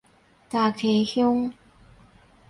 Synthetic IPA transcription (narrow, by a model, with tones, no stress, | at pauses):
t̪a˨˩kʰe˨˩˦hjʊ˥ŋ